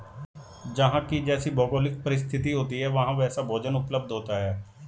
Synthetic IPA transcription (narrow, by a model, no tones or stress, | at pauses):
d͡ʒəɦãːkɪd͡ʒɛːsiːbɔːɡoːlɪk̚pəɾɪst̪ʰɪt̪iːɦoːt̪iːɦɛːʋəɦãːʋɛːsaːbʱoːd͡ʒənʊpləb̚d̪ʱɦoːt̪aːɦɛː